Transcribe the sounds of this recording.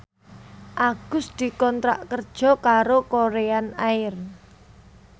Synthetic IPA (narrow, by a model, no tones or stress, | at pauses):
ʔaɡ̥ʊ̤sd̪̥i̤kɔnt̪ɾa̰ʔkərd̥ʒ̥ɔ̤kaɾokoɾeanaɪr